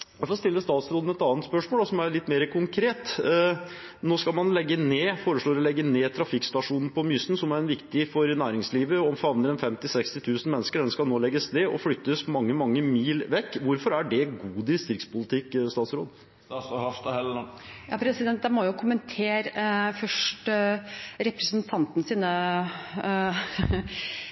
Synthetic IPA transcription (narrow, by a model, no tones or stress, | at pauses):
jæfɔst̪ɪlːəst̪ɑːt̪sɾoːd̪n̩ɛt̪ɑːnt̪spœʂmoːld̪ɑsɔmæɭɪt̪ːmeːɾəkʰʊŋkʰɾeːt̪ | noːskɑlmɑnlɛɡːəneːfoːɾəʂɭoːɾɔlɛɡːəneːt̪ʰɾɑfɪkst̪ɑʂuːnn̩pʰɔmʏsn̩sɔmæɾɛnʋɪkt̪ɪfɔɾnæːɾɪŋsliːʋəɔmfɑʋnəɾɛnfɛmt̪ɪsɛkst̪ɪt̪ʰʉːsn̩mɛnːəskəɖɛnskɑlnoːlɛɡəsneːʔɔ̰flʏt̪ːəsmɑŋːəmɑŋːəmiːlʋɛkːʋʊɾfɔɾæɖɛɡuːd̪ɪst̪ɪɾkspʊlɪt̪ʰɪkːst̪ɑːt̪sɾoːd̪ | sɔhɑft̪hɛlːjɑpʰɾɛsɪd̪ɛnt̪̚d̪ɛmɔjʊkʰʊmənt̪ʰeːɾfœʂʈ | ɾɛpɾəsənt̪ʰɑnt̪nsiːnə